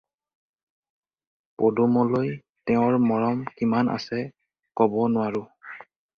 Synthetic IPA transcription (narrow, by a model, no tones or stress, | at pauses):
podumɔloj | tɛʊ̃ɹmɔɹɔmkimanʔa̰sɛ | kɔbɔnʊwaɹʊ